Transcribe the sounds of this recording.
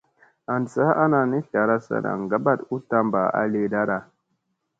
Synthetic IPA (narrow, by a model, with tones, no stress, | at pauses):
a˨n˨sa˦a˦na˨ni˦ɬa˨ɾa˦sa̰˨na̰˨ŋɡa˦ba˦tu˦ta˦mba˨a̰˨˦le˦da˦ɗa˨